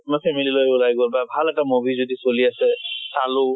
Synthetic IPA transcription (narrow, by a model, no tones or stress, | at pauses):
mɔpʰɛmililojʊlajɡɔlbabʱalɛtamobʱizodisoliasɛsalu